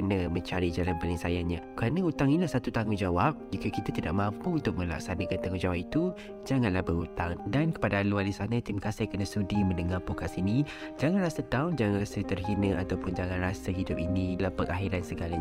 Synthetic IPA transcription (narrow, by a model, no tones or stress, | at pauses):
ənəmə̃ɲt͡ʃaɾid͡ʒalanbalisajaɲakɾanəut̪aŋinilahsat̪ut̪aŋuŋd͡ʒawap̚d͡ʒikəkit̪at̪ida̰ʔ̚mãmpəunt̪ʊk̚mə̃la̰k̚sanəkant̪aŋũd͡ʒawap̚it̪u | d͡ʒaŋãnlahbəɾut̪aŋdankə̥padalualisanət̪imakasikənəsudimə̃ndəŋarpokasini | d͡ʒaŋanlasət̪aʊnd͡ʒaŋaŋrasət̪ərɦinəat̪awpʊnd͡ʒaŋãnrasəɦidʊp̚inilahpəɾaɦiɾansəɡala